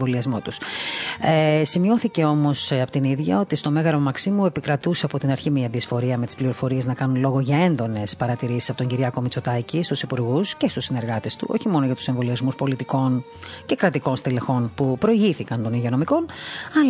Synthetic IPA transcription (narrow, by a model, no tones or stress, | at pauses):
voliɐzmo̞t̪us | simio̞θice̞o̞mo̞sɐpot̪iniðʝɐo̞t̪ist̪o̞me̞ɣɐɾomɐksimuepikɾɐt̪useɐpo̞t̪inɐɾçimiɐðiesfo̞ɾiɐme̞t̪i̥spliɾofo̞ɾie̞znɐkɐnunlo̞ɣo̞ʝɐe̞nd̪o̞ne̞spɐɾɐt̪iɾisi̥sɐpo̞t̪oɲɟiɾʝɐko̞mit͡so̞t̪ɐcist̪usipuɾɣusce̞st̪usine̞ɾɣɐt̪e̞st̪ṵʔo̞̰çimo̞noʝɐt̪u̥se̞ɱvo̞liɐzmuspo̞lit̪iko̞n | ce̞kɾɐt̪iko̞nst̪ile̞xo̞npupɾo̞iʝiθikɐnt̪o̞niʝiono̞miko̞nɐl